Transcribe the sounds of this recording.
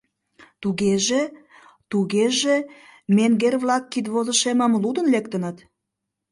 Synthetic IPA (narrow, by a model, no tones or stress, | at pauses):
t̪uɣeʒe | t̪uɣeʒemeŋɡerβlɑkːit̪βozəʃeməmlud̪ənlekt̪ənət̪